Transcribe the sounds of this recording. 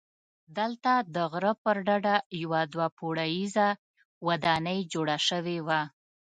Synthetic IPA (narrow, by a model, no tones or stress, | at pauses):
d̪əlt̪ad̪əɣɾəpəɾɖaɖajawad̪wapʰoɽajiza | wad̪ɑnəjd͡ʒoɽaʃəwewa